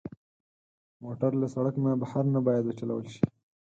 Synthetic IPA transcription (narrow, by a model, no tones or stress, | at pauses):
moʈaɾlasaɽakmabahaɾnabɑjad̪wət͡ʃala̰wəlʃi̥